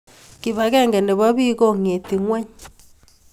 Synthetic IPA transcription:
ki˨βa˨ɣɛ˦˨ŋɡe˨nde˨βa˦βiː˦ɣo˦ŋe˨ti˨ŋwɛ˦ɲ

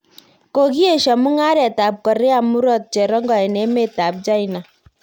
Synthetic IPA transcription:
ko˨ki˦e˦˨ʃa˨mu˦ŋa˦ɾɛ˨ta˨p̚kɔ˨ɾe˦a˨mu˦ɾɔ˦t̚t͡ʃɛ˨ɾɔ˦ŋɡɔ˨ɛ˨nɛ˨˦me˨ta˨p̚t͡ʃa˦i˨na˨

